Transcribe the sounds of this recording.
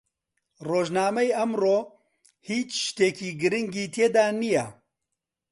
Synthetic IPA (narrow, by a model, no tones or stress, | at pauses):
roːʒnaːmɐjɐmroː | hiːt͡ʃʃt̪eːkʰiːɡɨɾɨŋɡiːt̪ʰeːd̪aːnijɐ